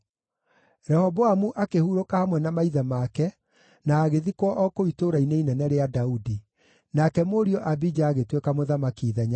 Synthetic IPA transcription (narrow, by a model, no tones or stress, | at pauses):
ɾɛhɔbɔamuʔakehuɾokahamwɛnamaiðamakɛ | naːɣeðikwɔʔɔkoitoɾaineinɛnɛɾeadaudi | nakɛmoɾiɔʔabid͡ʒaːɣetwekamoðamakiːðɛɲa